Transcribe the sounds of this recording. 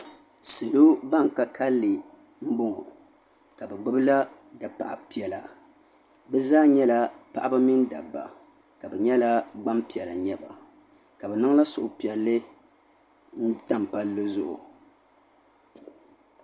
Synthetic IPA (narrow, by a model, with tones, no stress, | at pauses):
sɨ˨lo˦ba˦ŋ˨ka˦kʰa˦lːɨ˨ | m̩˦bʊ˦ŋɔ˨ | ka˨bɛ˨ɡ͡bɨ˦bɨ˦la˦ | da˨pa̰˨ʔa̰˨pi˨ɛ˨la˨ | bɛ˦zaː˦ɲɛ˦la˦pa̰˦˨ʔa˦ba˦mɪ˦nda̰˨bːa̰˨ | ka˨bɛ˨ɲɛ˦la˦ɡ͡ba˦mpi˨ɛ˨la˨ɲɛ˦ba̰˨ | ka˨bɛ˨nɨ˦ŋ˦la˦sʊ˨ʔʊ˨pi˨ɛ˨lːɨ˦ | n̩˦ta˦˨m˨pa˦lːɨ˦zʊ˦ʔʊ̰˨